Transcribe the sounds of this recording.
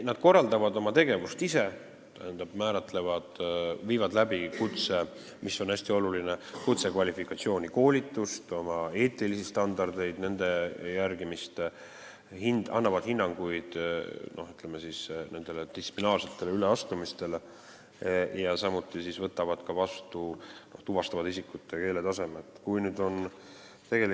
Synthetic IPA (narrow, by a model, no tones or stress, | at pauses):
nɑd̪̥ko̞rːɑld̪ɑvɑd̪o̞mɑt̪e̞ɡe̞vust̪ise̞ | t̪æ̰hend̪̥ɑb̥mæːɾɑt̪ːˑle̞vɑd̪̥viːvɑd̪læbikut̪se̞ | misːo̞næsʲt̪io̞lulinekut̪se̞kvɑlʲifikːˑɑt̪sio̞ːnʲiko̞ːlʲit̪ːˑust̪o̞mɑe̞ːt̪ːˑilisist̪ɑnd̪̥ɑrd̪̥e̞jd̪̥ne̞nd̪̥e̞jærɡ̥imist̪ | hinɑ̰nːɑvɑd̪̥hinːɑŋɡ̥ujd̪̥nʔo̞hyt̪ˑlemesisne̞nd̪̥e̞led̪̥ist̪ːi̥plinɑːrse̞t̪ːˑe̞leyleɑst̪umist̪e̞le | jɑsɑmut̪ːˑisisvɤt̪ːˑɑvɑd̪̥kɑvɑst̪uno̞ht̪uvɑst̪ɑvɑd̪isikːˑut̪ːˑeke̞ːle̞t̪ɑsemet̪ːˑkujnyd̪̥o̞n | t̪e̞ɡe̞li